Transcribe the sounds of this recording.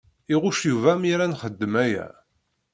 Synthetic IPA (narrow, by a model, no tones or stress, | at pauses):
iʁʊʃjuvæmiɾænχəd̪ːəmæjæ̰